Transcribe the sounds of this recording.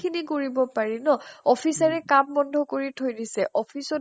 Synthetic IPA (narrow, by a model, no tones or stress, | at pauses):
kʰinikoɹibɔpaɹinɔɔpʰisaɹɛkambɔndʱɔkoɹitʰojdisɛʔɔpʰisɔ